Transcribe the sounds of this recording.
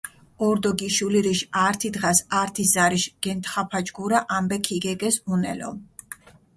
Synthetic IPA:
ɔɾd̪ɔɡiʃuliɾiʃaɾt̪ʰid̪ʁasaɾt̪ʰiszaɾiʃɡ̥ɛnt̪χapʰad͡ʒɡuɾaʔambɛkʰiɡɛɡɛsunɛ̰lɔ̰m

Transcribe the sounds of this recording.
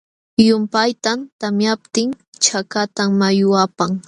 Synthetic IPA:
jʊmpajt̪amt̪amjap̚t̪ɪŋ | t͡ʃakat̪aŋmajʊapaŋ

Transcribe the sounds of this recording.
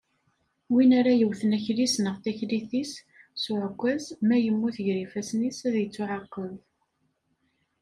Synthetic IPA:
winaɾajəwθənæçlisnəʁθæçliθis | sʊʕəkʷːæzmæjəmːuθʝɾifæsnisæðjət͡sːʊʕɑqːəð

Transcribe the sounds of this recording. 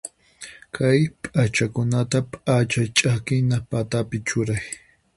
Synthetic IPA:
kʰajpʼat͡ʃakʊnat̪apʼat͡ʃat͡ʃʼakɪnapat̪apɪt͡ʃʊɾaj

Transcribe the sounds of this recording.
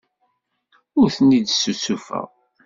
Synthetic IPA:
ʊɾθənːid̪susufæ̰ʁ

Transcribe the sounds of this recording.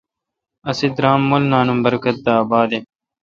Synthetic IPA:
ɐsid̪ɾaːmːolnaːnumbɐɾkɐt̪̚d̪aːbaːd̪e

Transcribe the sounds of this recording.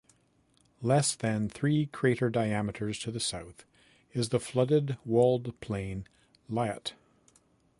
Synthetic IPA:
lɛsðɨ̃nθɹikʰɹ̥eɪɾə˞daɪæmɨɾə˞z̥tʰɨðɨsaʊθ | ɨzðəflʌɾɨd̚wɔlˠdpʰl̥ẽɪ̃n | laɪɨ̰t

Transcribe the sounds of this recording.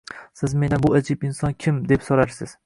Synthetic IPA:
sɪzme̞nɪbʊad͡ʒɪbɪnsɒnkʲʰɪmd̪epsoɾaɾsɪz̥

